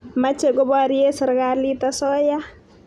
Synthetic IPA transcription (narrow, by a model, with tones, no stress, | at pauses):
ma˦t͡ʃe˨ɡɔ˦bɔ˦a˨ɾije˦sɪ˨ɾɡa˦li˦ta˦sɔ˦ja˦